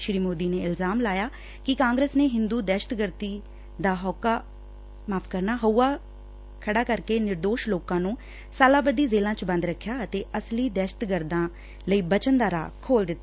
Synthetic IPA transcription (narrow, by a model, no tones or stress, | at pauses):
ʃɾiːmoːd̪iːneːɪlzaːmlaːjaː | kɪkãːŋɡɾeːsneːɦɪnd̪uːd̪ɛːʃət̪ɡəɾt̪iː | d̪aːɦɔːkaː | maːpʰkəɾnaːɦəuːaː | kʰəɽaːkəɾkeːnɪɾd̪oːʃloːkãːnũː | saːlaːbəd̪iːzeːlãːt͡ʃbə̃nd̪ɾəkʰːjaːət̪eːəsliːd̪ɛːʃə̥t̪ɡəɾd̪ãː | ləiːbət͡ʃənd̪aːɾa̰ːkʰoːld̪ɪt̪ːa